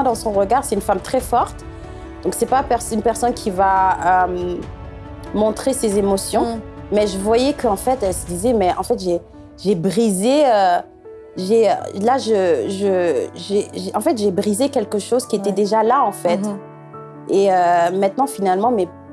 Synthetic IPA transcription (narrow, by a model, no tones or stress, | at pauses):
ɛ̃d̪ɑ̃sɔ̃ʁəɡaʁsɛt̪ynfamt̪χɛfɔʁt̪ | d̪ɔ̃ksɛpapɛʁsynpɛʁsɔnkʲʰivaøm | mɔ̃t̪χesezemɔsjɔ̃mɛʒəvwajɛkəɑ̃fɛt̪ɛlsəd̪izɛmɛʔɑ̰̃fɛt̪ʒe | ʒebʁizeø | ʒeø̰laʒəʒəʒeʒɑ̃fɛt̪ʒebʁizekʲɛlkəʃozkʲiet̪ɛd̪eʒalaɑ̃fɛt̪ | eømɛ̃t̪nɑ̃finalmɑ̃mɛ